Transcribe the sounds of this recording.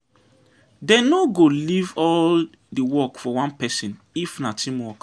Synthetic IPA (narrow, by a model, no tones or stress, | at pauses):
dɛnoɡolivɔl | diwɔkfɔwãnpɛsĩn | ifnatʰĩmwɔk